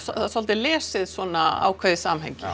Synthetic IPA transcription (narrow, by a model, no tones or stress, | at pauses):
sasɔlt̪ɪlɛːsɪðsɔːnaa̰ːwkʰvɛðɪsamɦɛ̰ɲcɪ